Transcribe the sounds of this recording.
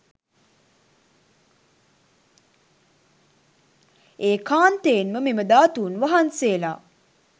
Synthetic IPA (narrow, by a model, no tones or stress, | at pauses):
eːkaːnt̪eːnməmiməd̪aːt̪uːnʋaɦanseːla